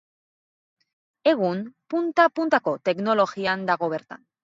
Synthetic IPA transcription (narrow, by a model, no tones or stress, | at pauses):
eɣunpunt̪apunt̪akot̪eknoloxiand̪aɣoβeɾt̪a̰n